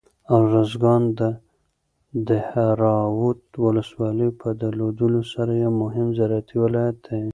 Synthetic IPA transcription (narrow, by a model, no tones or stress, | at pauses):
awɾazɡɑnd̪ə | d̪əhaɾɑwʊt̪̚wʊləswɑləjpʰəd̪əlod̪əlosaɾajemʊɦɪmzaɾat̪ʰiwɪlɑjat̪̚ːe